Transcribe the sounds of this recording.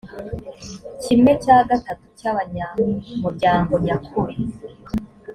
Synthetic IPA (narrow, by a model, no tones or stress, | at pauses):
cimet͡ʃaːɡatatu̥caβaɲamuɾɟaːŋɡo̞ɲakʰuɾe